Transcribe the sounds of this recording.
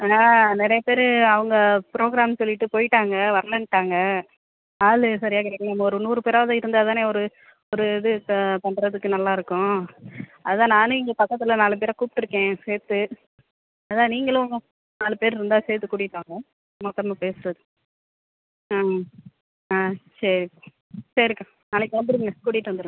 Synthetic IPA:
enaːnɪɾɐjɐpeːɾɐʋɐŋɡɐpɪɾoːɡɾaːmsɔlːɪʈːɯpoːjɪʈːaːŋɡɐʋɐɾɐlɐnʈːaːŋɡɐ | aːlɯsɐɾɪjaːkɪɽɐk̪ːɐmːɐɔɾɯnuːɾɯpeːɾaːðɐɪɾɯnd̪ɯɐðaːneːɔɾɯ | ɔɾɯɪðɯp̪ɐɳɖɾɐðɯkːɯnɐlːaːɪɾɯkːʊ̃ | ɐðɯt̪ãːnaːnɯ̃ɪŋɡepɐkːɐt̪ːɪlɐnaːlɯp̬eːɾakuːpɪ̥ʈːɪɾɯkːẽːseːɾt̪ːɯ | ɐðɯt̪ãːniːŋɡɐɭʊ | naːlɯpeːɾɾɛnd̪ãːseːɾt̪ːɯkuːɽɪʈːaːŋɡɐ | mɔt̪ːɐmepeːsɯɾɐðɯ | aː | saːsɐɾɾkːã | sɐɾɪɾɯkːã | nɐlɐkːɯʋɐnd̪ɪɾɯkːɯŋɡɐkuːɽɪʈːɯʋɐnd̪ɯɾɯŋɡɐ

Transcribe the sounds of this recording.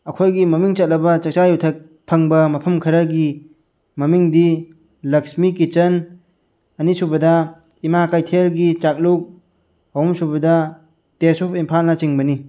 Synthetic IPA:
ɐkʰojɡimɐmiŋt͡ʃɐt̚lɐbɐt͡ʃɐk̚t͡ʃajutʰɐk̚ | pʰɐŋbɐmɐpʰɐmkʰɐɾɐɡi | mɐmiŋdi | lɐksmikːit͡ʃɐn | ɐnisubɐdɐ | imakajtʰelɡit͡ʃak̚luk̚ | wmsubɐdɐ | tesupimpʰalnɐt͡ʃiŋbɐni

